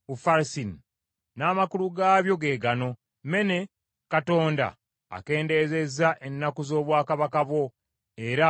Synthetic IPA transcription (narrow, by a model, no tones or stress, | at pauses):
ufaɾsini | naːmakuluɡaːβjo̞ɡe̞ːɡano̞ | me̞ne̞ | kato̞ːnda̰ː | ke̞ːnde̞ze̞zaʔenːakuzo̞ːβwaːkaβakaβwo̞ | e̞ɾa